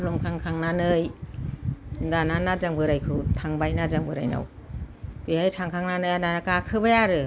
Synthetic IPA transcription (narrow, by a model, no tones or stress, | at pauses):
lumkʰaŋkʰaŋnanɯj | dananazaŋbɯɾajkʰɯtʰaŋbajnad͡ʒaŋbɯɾa̰jna̰w | bihajtʰaŋkʰaŋnanɯjananakakʰɯbajaɾɯ